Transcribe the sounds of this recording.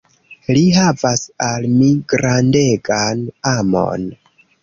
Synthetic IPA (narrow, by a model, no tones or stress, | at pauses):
liɦavasalmiɡɾande̞ɡanamo̰n